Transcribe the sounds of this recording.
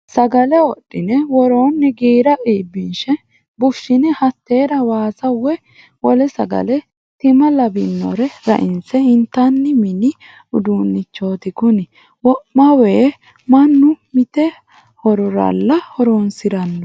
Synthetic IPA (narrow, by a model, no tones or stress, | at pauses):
sɐɡɐlɛɔɗːɪnɛwɔɾoːnːɪɡiːɾɐʔiːbːɪnʃɛ | bʊʃːɪnɛhɐt̪ːe̞ːɾɐwaːsɐwːɛ | wɔlɛsɐɡɐ̰lɛ | t̪ɪmɐlɐbɪnːɔ̰ɾɛɾɐ̰ʔɪnsɛɪnt̪ːɐnːɪmɪnɪ | ʊd̪uːnːɪt͡ʃːo̞ːt̪ɪkʊnɪ | wɔʔmɐweː | mɐnːʊmɪt̪ɛ | hɔɾɔɾɐ̰lːɐhɔɾoːnsɪɾɐnːɔ